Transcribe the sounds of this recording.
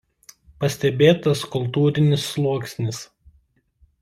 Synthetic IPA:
pɐsʲt̪ʲɛbʲeːt̪ɐskʊlˠˑt̪uːɾʲɪnʲɪsːlˠuɔksʲnʲɪs

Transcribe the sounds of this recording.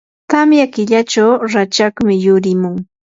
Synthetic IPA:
t̪amjakɪʎat͡ʃawɾat͡ʃakmɪjʊɾɪmʊŋ

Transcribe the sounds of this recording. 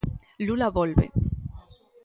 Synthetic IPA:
lulaβolβḛ

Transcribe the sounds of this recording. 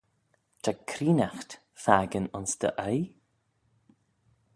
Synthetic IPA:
t̪ʰakʰɾiːnaxt̪ | faːɡənʊnsd̪ə̰ʔaj

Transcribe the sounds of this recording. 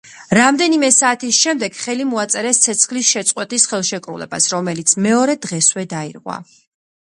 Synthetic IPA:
ɾamd̪ɛnimɛsaːt̪ʰisʃɛmd̪ɛɡ̥χɛlimɔat̪sʼɛɾɛst̪sʰɛt̪sʰχlisʃɛt̪sʼqʼwɛt̪ʼisχɛlˠʃɛkʼɾṵlɛ̰ba̰sɾɔmɛlit̪sʰmɛɔɾɛd̪ʁɛswɛd̪aiɾʁwa̰

